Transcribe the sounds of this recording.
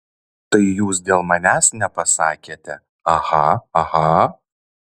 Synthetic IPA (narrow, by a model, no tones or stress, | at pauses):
t̪ɐɪjuːsd̪ʲeːlˠmɐnʲæːsnʲɛpɐsɑːkʲeːt̪ʲɛ | ɐhɐɐhɐ